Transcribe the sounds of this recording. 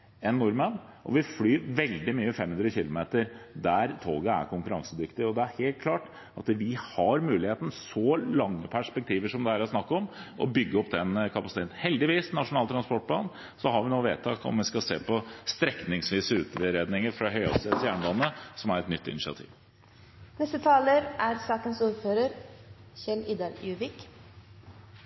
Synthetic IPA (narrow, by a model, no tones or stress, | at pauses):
ɛnːʊɾmən | ʔɔ̰ʋɪflyːʋɛld̪ɪmyːəfɛmhʉnd̪ɾəçɪlʊmeːt̪əɾd̪æɾt̪ʰoːɡəæ̰ɾkʰʊŋkʉɾɑŋsəd̪ʏkt̪ɪɔd̪ɛæɾheːlt̪̚kʰlɑːʈ | ɑt̪ʋɪhɑɾmʉːlɪheːt̪ən̩sɔlɑŋːəpʰæʂpɛk̚t̪ʰiːʋəʂɔmd̪ɛhæːɾæsnɑkːɔmʔɔ̰bʏɡːəɔpːd̪ɛnkʰɑpɑsɪ̥t̪ʰeːt̪n̩hɛld̪ɪʋiːsnɑʂʊnɑːt̪ʰɾɑnspɔʈ̚pʰlɑ̰ːn | sɔɦɑɾʋɪnoːʋḛːt̪ʰːɑːkɔ̰mʋɪskɑsḛːpʰɔst̪ɾɛknɪŋsʋiːsəʉ̰ːt̪ʰəɾeːd̪nɪŋəɾfɾɑɦœʏɔ̰sesjæːɳəlɑnːəsɔmæɾɛt̪nʏt̪ːɪ̰nɪʃɪɑ̰t̪ʰḭːʋ | nɛst̪ət̪ʰɑːləɾʔæɾsɑːkənsuːɾføːɾəɾçɛlid̪ɑɾjʉːʋɪk